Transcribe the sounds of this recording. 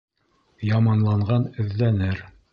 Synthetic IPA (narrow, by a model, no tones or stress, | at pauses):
jɑmɑnlˠɑɴʁɑnɵ̆ðːænɘɾ